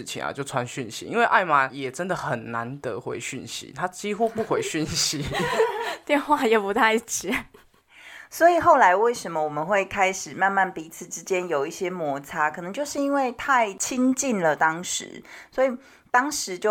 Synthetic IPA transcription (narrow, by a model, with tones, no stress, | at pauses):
t͡ɕʰḭ˨˩na̰˨t͡ɕjo˥˩ʊt͡sʰwa˦˥nɕy˥˨nɕḭ˨˦i˦˥nwe˥ɪʔa˥˩ɪma˨˦jɛ˨˩ʈ͡ʂə˦nd̪ə˨˩xə˨˩nːa˧˦nt̪ə˦xwḛ˧˥ɪɕy˥˩nɕḭ˨˦t̪ʰa˥t͡ɕi˦xu˦pu˥˩xwe˧˥ɪɕy˥˩nɕi˨˦ | t̪jɛ˥˧nxwa˥˩jɛ˨˩pu˧˦t̪ʰa˥˧ɪ˥t͡ɕi˨ | swɔ˧˥i˨˩xo˥˩ʊla˧˥ɪwe˥˩ɪʂə˨˧˦nmə˦wɔ˨˩mə˦nxwe˥˩ɪkʰa˥ɪʂɻ̩˨˩ma˥˧nma˥˩npi˧˥t͡sʰɹ̩˨˩ʈ͡ʂɻ̩˦t͡ɕjɛ˦njo˨˩ʊi˥˩ɕjɛ˥mwɔ˧˥t͡sʰa˥kʰɤ˨˩nɤ˧˦ŋt͡ɕjo˥˧ʊʂɻ̩˥˩i˥nwe˥˧ɪt̪ʰa˥˩ɪt͡ɕʰi˥ŋt͡ɕi˥˩nlə˨˩t̪ɑ˦ŋʂɻ̩̰˨˧˦swɔ˧˥i˨˩ | t̪ɑ˥ŋʂɻ̩˨˦t͡ɕjo˥˨